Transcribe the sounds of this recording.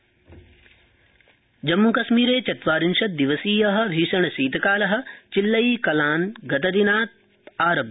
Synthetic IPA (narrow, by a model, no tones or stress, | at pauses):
d͡ʒɐmːukɐʃmiːɾeːt͡ʃɐt̪ʋaːɾinʃɐt̪̚d̪iʋɐsiːjɐɦɐ̆ʋʱiːʃɐɳ̃ɐsiːt̪ɐkaːlɐɦɐ̆t͡ʃilːɐjiːkɐlaːnɡɐt̪ɐd̪inaːt̪̚ | aːɾɐb